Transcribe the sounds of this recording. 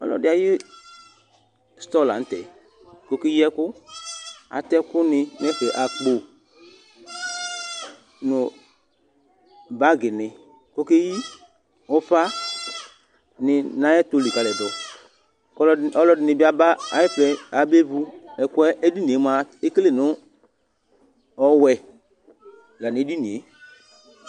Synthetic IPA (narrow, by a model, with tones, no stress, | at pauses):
ɔ̰˦lɔ̰˨dɪ˨˦a˨jɪ˦ | st̪ɔ˦˨la̰˨n̩˦tɛ̰˨ | ko˦ke˦ji˦ɛ˦kʊ˦ | a̰˨tɛ˦kʊ˦nɪ˧m˦ɛ˦fɛ˨ʔa˨k͡po˨ | nʊ˨ | ba˦ɡɪ˨nɪ˨ | ko˦ke˦ji˦ | ʊ˨˦fa˦ | nɪ˨nã˨˦ɛ˦to˨˧li˨ka˨lɛ˨dɔ˨ | ɔ˦lɔ˧lɔ˧dɪ˨nɪ˨bi˦a˨ba˦a˨˦jɛ˦flɛ˨a˨be˦vu˧ɛ˨ku˦ɛ˦ʔɛ˦di˦ni˨e˨˦m˨a˨e˦kle˦˨nʊ˨˦ | ɔ˦wɛ˨ | la˨nɪ˨˦di˦ni˨e˨˦